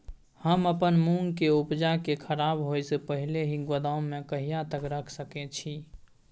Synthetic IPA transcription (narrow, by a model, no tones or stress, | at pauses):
həməpənmuŋkeupd͡ʒakekʰəɾabɦojsepəɦileɦiɡəd̪aʊmẽkəɦijat̪əkɾəkʰsəket͡ʃʰi